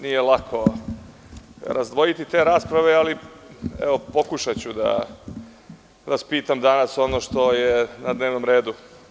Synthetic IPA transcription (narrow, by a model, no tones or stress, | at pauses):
nijelˠakʰo̞ | ɾazd̪ʋo̞jit̪it̪e̞ːɾaːspɾaʋealiɛ̰ʋo̞po̞kuʃat͡ɕud̪a̰ | ʋaspiːt̪amd̪anaso̞noʃt̪o̞jenad̪ne̞ːʋno̞mɾeːd̪u